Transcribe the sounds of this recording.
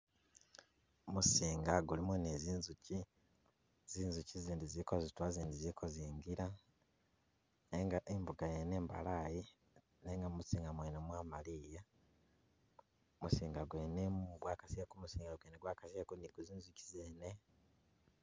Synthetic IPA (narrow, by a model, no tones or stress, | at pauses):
musiːŋɡaɡulimuneziːnzuci | z̥iːnzuciziːndizikozitwaziːndizikʰoziːŋɡiɾa | neŋɡaʔembuɡajene̞ːmba̰laji | neŋɡamut͡siːŋɡamweːnomwaːmalija | musiːŋɡaɡweːnemuɡwaːkasekumusiːŋɡaɡweːneɡwaːkasekuniɡuziːnzuci̥zeːne